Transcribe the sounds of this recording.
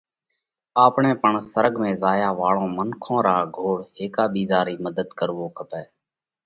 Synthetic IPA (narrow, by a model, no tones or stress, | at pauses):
aːpɳẽːpəɳsəɾəɡmẽːzaːjaːʋaːɭõːmənkʰõːɾaːɡʱoːɽɦeːkaːɓiːzaːɾiːməd̪əd̪kəɾʋoːkʰəpɛː